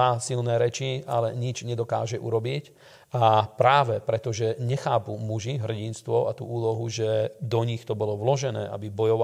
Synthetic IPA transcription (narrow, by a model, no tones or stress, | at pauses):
aːsilnɛːɾɛt͡ʃia̰lɛɲid͡ʒɲɛd̪ɔka̰ːʒɛʔṵɾɔbic | apɾaːʋɛpɾɛt̪ɔʒɛɲɛxaːpumuʒiɦr̩ɟinst̪ʋɔat̪ṵːʔuːlɔɦuʒɛd̪ɔɲixt̪ɔbɔlɔʋlɔʒɛnɛ̰ːʔa̰bibɔjɔʋa